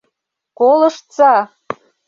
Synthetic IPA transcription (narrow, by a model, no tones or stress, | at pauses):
kolə̆ʃt͡sɑ